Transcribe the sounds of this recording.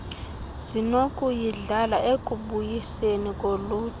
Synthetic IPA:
z̥inokʼujiɮalaʔekʼuɓujisenikʼoluːtʰʼ

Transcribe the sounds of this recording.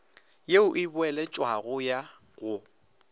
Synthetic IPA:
jeʊʔɪbʊɛlɛt͡ʃʼwaɣʊja | ɣʊ

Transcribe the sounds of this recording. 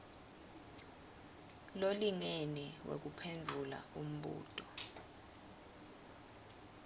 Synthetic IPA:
loliŋeniwʔḛk̬upʰend͡ɮʱula̰um̩ɓṵːtʰʼɔ̥

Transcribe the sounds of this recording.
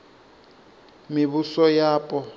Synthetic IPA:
miβusɔjaːpʼɔ

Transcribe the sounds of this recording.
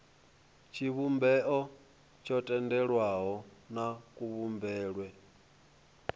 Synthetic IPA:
t͡ʃʰiβumbɛʔɔ | t͡ʃʰɔtʼɛndɛɺwaɦɔnakʼuβumbɛːɺwɛ

